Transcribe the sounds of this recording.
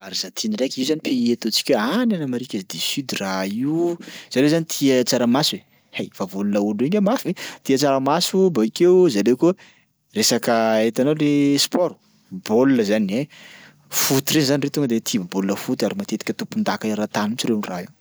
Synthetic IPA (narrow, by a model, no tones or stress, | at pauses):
aɾiz̥at̪ʰinirakʲizanipeet̪ut͡si̥kʲəananamaɾikʲazd̪isyd̪iraiuz̥alewzanit̪ʰiat͡saɾamasue | hejfavolunəuluiɲamafit̪iat͡saɾamasubaikewzalewku | resakəet̪analespɔɾu̥ | bolunəzanie | fut̪iɾeizanirewt̪uŋɡəd̪et̪ʰibolunəfut̪aɾimat̪et̪i̥kʲət̪upund̪akaɾat̪anumt͡ʃirenraiw